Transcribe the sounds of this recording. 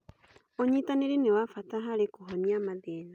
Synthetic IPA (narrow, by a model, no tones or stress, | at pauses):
oɲitaneɾinewafataɦaɾekuɦoniamaðeːna